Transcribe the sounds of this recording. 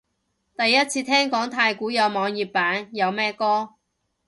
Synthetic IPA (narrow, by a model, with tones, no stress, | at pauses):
t̪ɐ˨jːɐ˥t̚t͡sʰiː˧t̪ʰɛː˥ŋkɔː˨˥ŋt̪ʰaː˧jkuː˨˥jɐ˨˧wmɔː˨˧ŋjiː˨˩p̚pːaː˨˥njɐ˨˧wmɛː˥kɔː˥